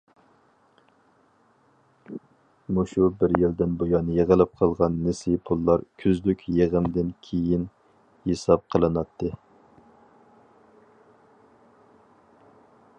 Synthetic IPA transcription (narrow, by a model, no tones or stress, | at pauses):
muʃubɪɾjild̪ɪnbojɑnɨjeʁəlˠɨp̚qʰɑlˠʁɑnːɪsipʰulˠːɑɾkʲʰyzlykʲjeʁəmd̪ɪnkʲʰejin | hesɑp̚qʰəlˠɨnɑt̪ʰːɨ